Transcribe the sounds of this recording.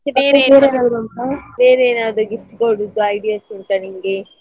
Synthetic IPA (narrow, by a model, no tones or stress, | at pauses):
ebɐeːɾbeːɾeːnaːd̪ɾuɐnt̪ɐbeːɾeːnaːd̪ɾuɡifʈkoːɽid̪ːuɐjɖijaːsint̪ɐnimɐɡe